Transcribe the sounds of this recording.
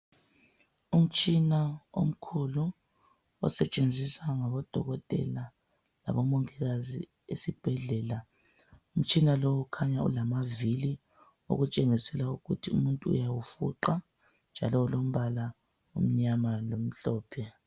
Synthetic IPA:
um̩t͡ʃʼinao̰m̩kʰulu | ɔ̰sɛt͡ʃʼend͡zʱisaŋaβɔd̥ʱɔɣɔtʼɛ̰la | la̰βɔmoŋɛɣazḭ | esib̥ʱɛɮɛːla | um̩t͡ʃʼinalowukʰaɲaṵlamavili | o̰ɣut͡ʃʼeŋisɛlauɣutʰiṵmuntʼṵːjawufṵǃa | nd͡ʒʱa̰lɔulom̩βala | ṵm̩ɲamalom̩ɬɔːpʰɛ

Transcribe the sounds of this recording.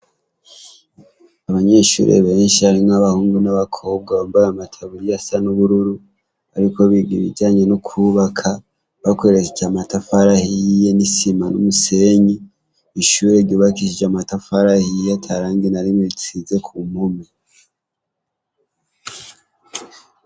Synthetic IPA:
aβaɲe̞ʃṵɾʔe̞̰βe̞ːnʃiaɾimŋaβahuːŋɡunaβakʰo̞ːb̚ɡaβambaɾamatʰaβuɾijasanuβuɾuɾu | aɾiko̞βiɡiβḭɟaːɲe̞nukʰuβakʰa | βakwoeɾet͡set͡ʃamatafaɾahijenisimanumuse̞ɲiː | ʃuːɾeβɟoːβakiʃid͡ʒamatafaɾahijatʰaɾaːŋɡenaɾimweβit͡size̞kʰumomi

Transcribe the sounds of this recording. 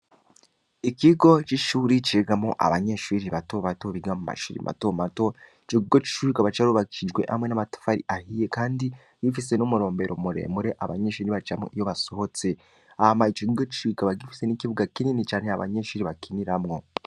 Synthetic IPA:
ikiɡo̞t͡ʃiʃuːɾit͡ʃeɡamŋoʔa̰βaɲe̞ʃuɾiβatoβato̞βiɡamuma̰ʃuːɾḭmʔa̰tomato̞ | t͡ʃiɡiɡot͡ʃi̥ʃuɾikaβat͡ʃaɾuβakid͡ʒɡwe̞̰ha̰mŋe̞namato̥faɾḭʔahijekaːndi | ɡifise̞numuɾo̞ːmbe̞ɾomuɾe̞̰ːmuɾe̞ʔaβa̰ɲe̞ʃuːɾiβat͡ʃamo̰ʔijo̞βaso̞ho̞t͡se̞ | amait͡ʃoɡiɡot͡ʃi̥ʃuikaβaɡifi̥se̞nikiβuɡakininit͡ʃaːne̞aβa̰ɲe̞ʃuːɾiβakiniɾamŋo̞

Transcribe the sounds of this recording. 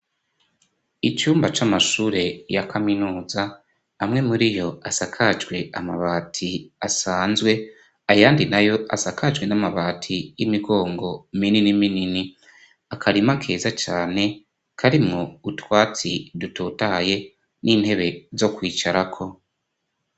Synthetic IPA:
it͡ʃuːmbat͡ʃamaʃuːɾe̞jakʰaminuːzaː | mŋe̞muɾijo̞asakʰad͡ʒɡwe̞amaβaːtʰiasaːnzwe̞ | ajaːndinajo̞ʔa̰sakʰad͡ʒɡwe̞namaβaːtʰijimiɡo̞ːŋɡo̞mininiminini | akʰaɾimakʰe̞ːzat͡ʃaːne̞ | kʰaɾimŋoutwaːt͡sidutuːtaje̞ | niːnhe̞βe̞zo̞kwiːt͡ʃaɾakʰo̞

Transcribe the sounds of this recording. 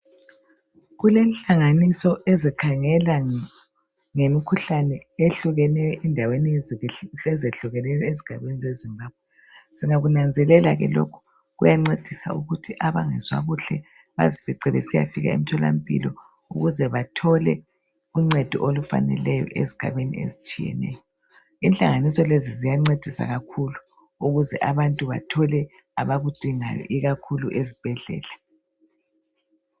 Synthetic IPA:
ɣulenɬʼaŋanisɔezikʰaŋɛla | ŋemikʰuɬanɛeɬuɣɛnɛjɔʔɛndʱaweni | ɛzeɬuɣɛnɛjɔeziɡ̥ʱaβenizezimbaːb̥̚ʱwɛ | siŋaɣunand͡zʱɛlɛlaɣɛ̰lo̰kʰu̥ | ɣujaŋ͡ǀed̥ʱisa̰uɣutʰiʔaβaŋɛzwa̰ɣuɬɛ | βa̰ziviǀɛβɛsija̰fiɣa̰ḛm̩tʰɔla̰m̩pʼḭlɔ | uɣuzɛβatʰɔlɛ | uŋ͡ǀɛd̥ʱɔʔolufa̰nɛ̰lɛjɔ̰ʔezi̥ɡ̥ʱa̰βenḭḛzit͡ʃʼijɛ̰nɛ̰jɔ | inɬʼaŋanisɔlezizijaŋ͡ǀed̥ʱisa̰ɣakʰulu | uɣuzɛʔaβantʼuβatʰɔlɛ | aβaɣud̥ʱiŋajɔ̰ʔiɣakʰuluʔezib̥ʱɛɮɛ̰ːla

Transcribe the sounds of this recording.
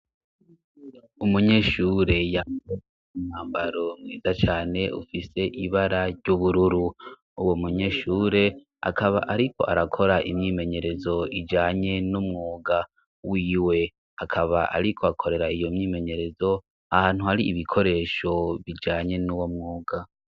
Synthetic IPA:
umuɲe̞ːʃuːɾe̞jame | imn̥haːmbaɾo̞mŋiːzat͡ʃaːne̞ṵfise̞ʔiβaɾaɾɟuβuɾuɾu | uwomuɲe̞ːʃuːɾe̞ | a̰kʰaβa̰ʔaɾikʰo̞̰ʔaɾakʰo̞ɾaʔimɲiːme̞ɲe̞ɾe̞zo̞id͡ʒaːɲe̞numŋuːɡa | wiːwe̞ | akʰaβaʔa̰ɾikʰo̞akʰo̞ɾe̞ɾaijo̞mɲiːme̞ɲe̞ɾe̞zo̞ | ahaːn̥huhaɾiːβikʰo̞ɾe̞ːʃo̞βid͡ʒaːɲe̞nuːwomŋuːɡa

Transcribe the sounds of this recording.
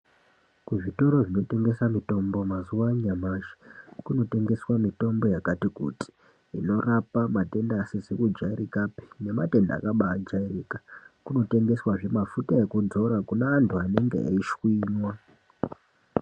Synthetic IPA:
kuʐito̞ɾo̞ʐino̞te̞ŋɡe̞samito̞mbo̞mazuwaɲamaʒi̥kuno̞te̞ŋɡe̞swamito̞mbo̞jakatikṵti̥ | ino̞rapamate̞ndaːsezekud͡ʒairikapi̥ne̞mate̞nda̰ːkaɓaːd͡ʒairikakuno̞te̞ŋɡe̞swaʐe̞mafutae̞kud͡zo̞ɾakunaːntʰuane̞ŋɡḛa̰iʃwiːɲwa

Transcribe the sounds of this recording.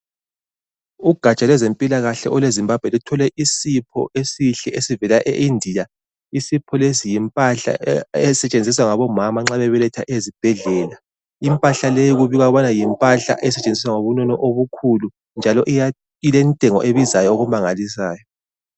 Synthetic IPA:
uɡ̥ʱat͡ʃʼalwɛzempʼilaɣaɬɛ̰ʔɔlwezimbab̥ʱwɛlutʰɔlɛʔisipʰɔ̰ʔesiɬɛʔesivɛlaʔeʔindʱija | isipʰɔlesijimpʼaɬa̰ɛsɛt͡ʃʼend͡zʱis̬waŋaβɔmamaŋ͡ǁaβɛβɛlɛtʰaʔezib̥ʱɛɮɛːla | impʼaɬalejiɣuβiɣwaβanajimpʼaɬa̰ʔɛsɛt͡ʃʼend͡zʱis̬waŋoβunɔnɔʔoβukʰulu | nd͡ʒʱalɔʔ | ilɛntʼɛŋɔʔeβizajɔːɣumaŋalis̬aːjɔ

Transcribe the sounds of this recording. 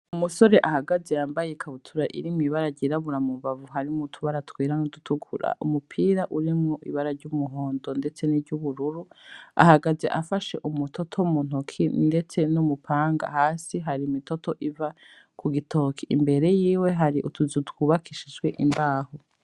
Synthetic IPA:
umuso̞ɾe̞ʔahaɡaze̞jaːmbajekʰaβutʰuɾaʔḭɾimiβaɾaɟiɾaβuɾamuβavuɦaɾimutʰuβaɾatwiːɾanodutʰuɡʰṵɾa̰ʔumupʰiːɾaʔuɾimŋoʔiβaɾaɾɟumuɦoːndo̞nde̞t͡se̞niɾɟuβuɾuɾua̰haɡaze̞ʔafaʃe̞ʔumutʰo̞tʰo̞mun̥okʰinde̞t͡se̞numupʰaːŋɡa̰haːsiɦaɾimito̞tʰo̞ʔiva | kʰuɡitʰoːkʰiʔimbe̞ɾe̞jiːwe̞ɦaɾiʔutuzutwuːβakʰiʃid͡ʒɡwe̞ʔimbaːho

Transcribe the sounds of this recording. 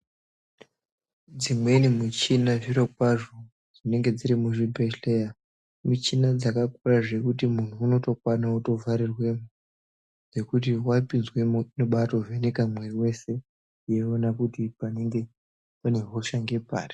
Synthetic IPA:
d͡zimwe̞nimut͡ʃinaʐiɾok̚waʐo | d͡zine̞ŋɡe̞d͡ziɾimuʐibʱeleja | mut͡ʃinad͡zakakuraʐe̞kutimun̤uːno̞to̞kwanauto̞vaɾirwe̞mu | ʐe̞kut̬iwapinzwe̞minoɓato̞venekamwe̞riwe̞se̞ | jeonakutipane̞ŋɡe̞ | pane̞ɦo̞ʃaŋɡe̞pa̰ːri

